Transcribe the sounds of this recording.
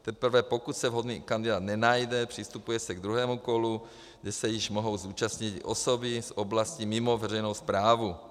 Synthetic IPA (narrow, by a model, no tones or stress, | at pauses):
t̪ɛpr̩vɛːpokut̪sɛvɦod̪niːkand̪idaːd̪nɛnajdɛpr̥ist̪upujɛsɛɡd̪ɾuɦɛːmukolu | ɡdɛsɛjɪʒmoɦowzuːt͡ʃasɲit̪ʔosobisoblascimimovɛrɛjnowspɾaːvu